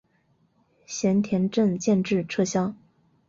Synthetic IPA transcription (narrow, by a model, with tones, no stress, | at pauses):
ɕjɛ˧˥nt̪ʰjɛ˧˥nʈ͡ʂə˥˧ŋt͡ɕjɛ˥˧nʈ͡ʂɻ̩˥˩ʈ͡ʂʰɤ˥˩ɕjɑ˥ŋ